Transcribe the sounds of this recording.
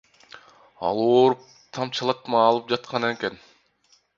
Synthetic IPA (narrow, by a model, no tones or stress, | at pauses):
ɑ̰lˠoːɾup̚ | t̪ʰɑmt͡ʃʰlˠɑt̪̚mɑːlˠɯp̚d͡ʒɑt̪̚qʰɑneken